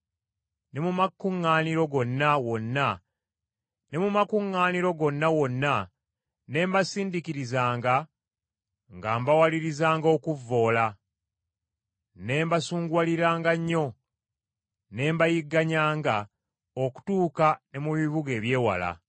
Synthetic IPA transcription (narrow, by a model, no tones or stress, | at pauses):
ne̞mumakːuŋːaːniɾo̞ɡo̞nːawo̞nːa | ne̞mumakuŋːaːniɾo̞ɡo̞nːawo̞nːa | ne̞ːmbasiːndikiɾizaːŋɡa | ŋɡaːmbawaliɾizaːŋɡo̞kuvːo̞ːla | ne̞ːmbasuːŋɡwaliɾaːŋɡaɲːo̞ | ne̞ːmbajiɡːaɲaːŋɡa | oku̥tuːkane̞muβiβuɡe̞ːβje̞ːwa̰la̰